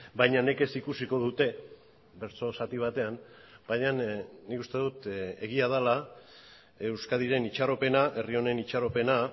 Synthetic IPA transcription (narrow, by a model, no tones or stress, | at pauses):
bajɲane̞ke̞sikusiko̞ð̞ut̪e̞ | be̞ɾt͡so̞sat̪iβ̞at̪e̞amb̥ajɲannːikust̪e̞ðut̪e̞ɣ̞iað̞ala | e̞wskaðiɾe̞nit͡ʃaɾo̞pe̞naʔe̞rio̞ne̞nit͡ʃaɾo̞pe̞na